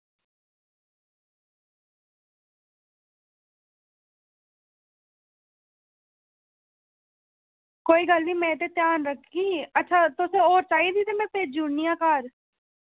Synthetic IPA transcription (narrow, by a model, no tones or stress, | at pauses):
koːiːɡəlniːmɛ̃ːt̪eːt̪jaːnɾəkʰːiːətːʃʰaːt̪ʊsẽːoːɾt͡ʃaːiːd̪iːt̪eːmɛ̃ːpeːd͡ʒunijãːkaːɾ